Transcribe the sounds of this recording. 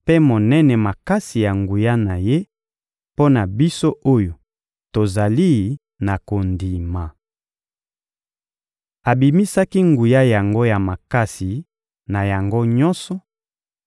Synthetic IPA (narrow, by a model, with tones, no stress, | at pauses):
pe˦mo˨nɛ˦nɛ˨ma˨ka˦si˨ja˨ŋɡu˨ja˦na˨je˦ | po˦na˨bi˦so˦ʔo˦jo˨ | to˨za˨li˦ | na˨ko˨ndi˨ma˨ | a˨bi˨mi˦sa˦ki˦ŋɡu˨ja˦ja˨ŋɡo˦ja˨ma˨ka˦si˨ | na˨ja˨ŋɡo˦ɲɔ˦nsɔ˨